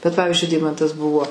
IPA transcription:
bʲɛt ˈpɑːʋʲɪzʲd͡ʒʲʊɪ ˈdʲɛɪmɐntɐs ˈbʊʋoː

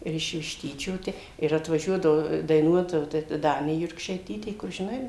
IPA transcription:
ˈɪr ɪʃ ʋʲɪʃʲˈtʲiːt͡ʃʲoː ˈtʲɛ ɪr ɐtʋɐˈʒʲuɔdɐʋoː dɐɪˈnuɔt jɛʊ ˈtɐ ˈdɑːnʲeː jʊrkʃɐɪˈtʲiːtʲeː kʊr ʒʲɪˈnɐɪ

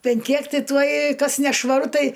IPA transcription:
ˈpʲɛn ˈkʲiɛk ˈtʲɪ tuɔj ˈkɐs nʲɛʃʋɐˈrʊ ˈtɐɪ

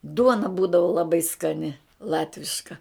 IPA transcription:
ˈduɔnɐ ˈbuːdɐʋʊ lˠɐˈbɐɪ skɐˈnʲɪ ˈlˠɑːtʲʋʲɪʃkɐ

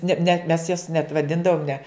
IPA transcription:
nʲɛ nʲɛt mʲɛs jɛs nʲɛt ʋɐˈdʲɪndɐʋoːm nʲɛ

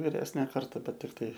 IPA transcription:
ʋʲɪˈrʲæːsʲnʲeː ˈkɐrtɐ ˈbʲɛt ɪr ˈtɐɪ

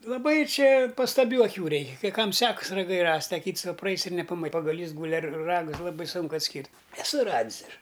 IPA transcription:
lˠɐˈbɐɪ ˈt͡ʃʲɛ pɐstɐˈbʲuː ɐˈkʲuː ˈrʲɛɪkʲɛ kɐɪ ˈkɐm ˈsʲæːkɐs rɐˈɡɐɪ ˈrɐsʲtʲ ɐ ˈkʲiːts ˈʋɐ prɐˈɐɪs ɪr nʲɛpɐ pɐɡɐˈlʲiːs ˈɡuːlʲɪ ɐr ˈrɑːɡʊs ˈlˠɑːbɐɪ ˈsuːŋkʊ ɐtʲˈsʲkʲiːrʲtʲ ɛˈsʊ ˈrɑːdʲɪs ˈɐʃ

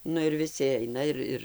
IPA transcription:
ˈnʊ ɪr ʋʲɪˈsʲɪ ˈɐɪnɐ ɪr ˈɪr

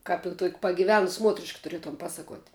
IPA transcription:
ˈkɐp ɪ tuɔkʲ pɐɡʲɪˈʋʲæːnʊs ˈmuɔtʲrʲɪʃk tʊˈrʲiɛtʊm ˈpɑːsɐˌkuɔtʲ

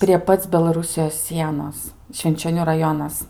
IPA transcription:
pʲrʲiɛ ˈpɐt͡s bʲɛlˠɐˈrʊsʲɪjoːs ˈsʲiɛnoːs ʃʲʋʲɪnʲt͡ʃʲoːˈnʲuː rɐˈjoːnɐs

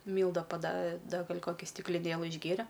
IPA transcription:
ˈmʲiːlˠdɐ pɐˈdɐ ˈdɐ ˈɡɐlʲ koːˈkʲɪ sʲtʲɪklʲɪˈnʲeːlˠɨ ɪʒʲˈɡʲeːrʲɛ

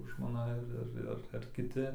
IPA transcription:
ʒmoːˈnɐ ɐr ˈɐr ɐr ɐr kʲɪˈtʲɪ

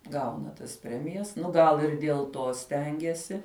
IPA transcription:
ˈɡɐʊnɐ tɐs ˈpʲrʲæːmʲɪjɛs ˈnʊ ˈɡɐlˠ ɪr dʲiɛlˠ ˈtoː ˈsʲtʲɛŋʲɡʲɛsʲɪ

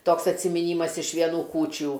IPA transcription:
ˈtoːks ɐtʲsʲɪmʲɪˈnʲiːmɐs ɪʃ ʋʲiɛˈnuː ˈkuːt͡ʃʲuː

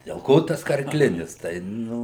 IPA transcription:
dʲɛlˠ ˈkoː tɐs kɐrˈklʲɪnʲɪs ˈtɐɪ ˈnʊ

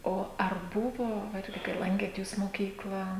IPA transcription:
ˈoː ɐr ˈbʊʋoː ˈɪrʲɡʲɪ kɐɪ ˈlˠɐŋʲkʲeːt ˈjuːs moːˈkʲiːklˠɑː

